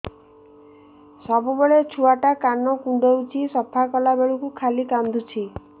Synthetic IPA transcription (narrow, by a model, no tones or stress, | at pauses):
sɔbubeɭet͡ʃʰuaʈakanɔkuɳɖɔwt͡ʃʰisɔpʰakɔlabeɭukukʰalikand̪ʱut͡ʃʰi